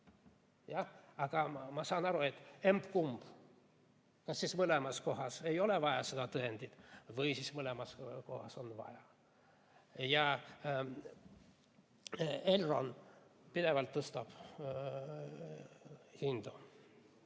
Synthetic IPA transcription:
jɑɑɡɑmɑsɑːnɑɾuet̪ːembkumb̥ | kɑsːismɨlɛmɑskoɦɑsejo̞leʋɑjɑsed̪ɑt̪ɯend̪ʲit̪vɯjsismɯlɛmɑskohɑsonvɑ̰jɑ | jɑ | elro̰npid̪eʋɑlt̪ːɤst̪ɑb̥ | hind̪o

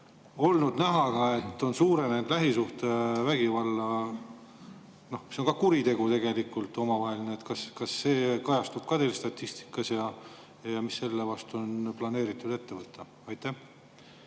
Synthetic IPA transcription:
o̞lnud̪̥næɦɑɡɑe̞t̪ːo̞nsuːɾe̞nend̪læɦisuht̪evæɡ̥ivɑlːɑ | no̞hseoŋkɑkuɾit̪e̞ɡ̥ut̪e̞ɡ̥e̞likːˑult̪ˑo̞mɑvɑɦe̞lineet̪kɑskɑsːe̞ːkɑjɑst̪ub̥̚kɑt̪elst̪ɑt̪ʲːist̪i̥kːˑɑsjɑ | jɑmisːe̞lːevɑst̪uo̞nplɑne̞ːɾit̪ːˑud̪e̞t̪ːe̞vɤt̪ːˑɑ | ɑjt̪æh

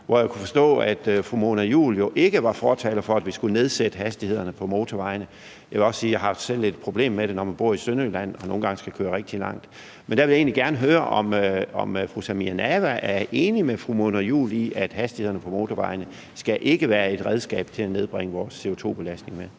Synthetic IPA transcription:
ʋɒjɑkʰufɒ̽sd̥ɔ̰̽ːæd̥fʁumo̝ːnɐjṵːljo̝ʔe̝ɡ̥əʋɑ̈fɒːt͡sʰɛ̰ːlɐfɒ̽æd̥ʋisɡ̥une̝ð̞ˠsed̥əɦhæsd̥ihe̝ð̰ˠɐnəpʰɒ̽mo̝ːt͡sʰɒʋɑ̈ɪnə | jɑʋe̝lɒ̽ssiːjɑ̈ɦɑ̈fd̥sel̰e̝d̥̚pʰʁo̝b̥le̝̰ːmːeɾ̥e̝nɒmænb̥o̝ɐ̰isønølæn̰ɒ̽no̝ːn̩ɡɑ̈ŋəsɡ̥ækʰøːɐʁeɡ̥̚d̥ilɑ̈ŋ̰d̥ | mend̥æʋe̝lje̝ːnliɡ̥æɐnəɦøːɐʔɒ̽mɒ̽mfʁusæmiænæʋæʔæɐe̝ːnimefʁumo̝ːnɐjṵːliʔæd̥hæsd̥ihe̝ðˠɐnəpʰɒ̽mo̝ːt͡sʰɒʋɑ̈ɪnə | sɡ̥æʔe̝ɡ̥əʋæːɐe̝d̥ʁɛð̞ˠsɡ̥ɛ̰ːb̥t͡sʰe̝læne̝ðˠb̥ʁeŋəʋɒːsːe̝o̝t͡sʰo̝̰ːb̥e̝læsd̥ne̝ŋmeðˠ

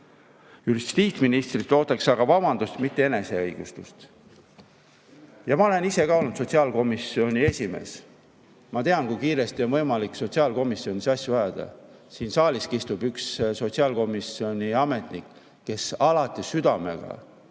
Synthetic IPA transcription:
yɦist̪st̪iːt̪sminist̪rit̪ːo̞ːt̪ˑɑksɑɡ̥ɑvɑbɑnd̪̥ust̪mit̪ːe̞e̞ne̞se̞ɤjɡ̥ust̪ust̪ | jɑmɑo̞le̞nise̞kɑolnudt̪so̞t̪ʲsiɑːlko̞misio̞nʲie̞sʲime̞̰ːs | mɑt̪e̞ɑnkujkiːɾe̞st̪io̞nvɤjmɑlikso̞t̪siɑːlko̞misːio̞nʲisɑsʲjuvæɑd̪̥ɑ̰siːnsɑːliskist̪ub̥yksso̞t̪siɑːlko̞misio̞nʲiɑme̞t̪nikː | e̞sɑlɑt̪ːˑisyd̪̥ɑme̞̰ɡ̥ɑ̰

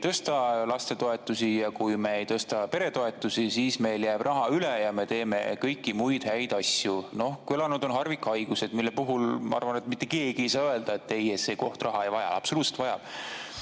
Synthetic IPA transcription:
t̪ɤst̪ɑlɑst̪e̞t̪o̞e̞t̪ːˑusijɑkujme̞ejt̪ɤst̪ɑpe̞ɾe̞t̪o̞e̞t̪ːˑusisiːsme̞jljæːb̥rʔɑɦɑylejɑme̞t̪e̞ːme̞̰kɤjkːimujd̪̥hæjd̪̥ɑsjunohkuelɑnud̪̥o̞nɦɑrvikːˑɑjɡ̥use̞d̪milːepuɦulmɑ̰ɑ̰rvɑne̞t̪mit̪ˑːe̞ke̞ːɡ̥iejsɑːøeld̪ɑe̞t̪ːe̞jese̞ːko̞ht̪rɑɦɑejvɑjɑ̰ɑ̰psoluːt̪selt̪ɑjɑ̰b̥

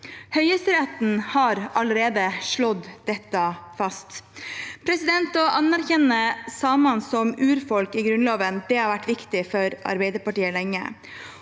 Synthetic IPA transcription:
hœʏəsɾɛt̪n̩hɑɾɑləɾeːd̪əʂɭɔd̪d̪ɛt̪ːəfɑst̪pʰɾɛsɪd̪ɛnt̪ɔʔɑnæɾçɛnːəsɑːmɑnsɔmʉːɾfɔlkiɡɾʉnloːʋənd̪ɛhɑɾʋæʈːʋɪkt̪ɪfɔɾɑ̰ɾbɛɪd̪əɾpɑʈiːəlɛŋːə̰

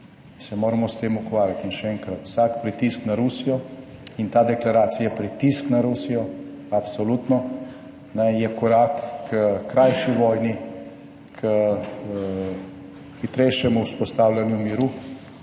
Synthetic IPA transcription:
insɛmoːɾamɔst̪eːmukʋaːɾjat̪inʃɛɛŋkɾat̪w̥saːkpɾit̪isknaɾusijɔ | int̪aːd̪ɛklaɾaːt̪sijapɾit̪isknaɾusijɔ | apsɔlut̪nɔ | nɛjɛkɔɾakːkɾajʃiʋɔjni | kʰə | xit̪ɾɛjʃjɛmuuspɔst̪awlʲanjumiɾu

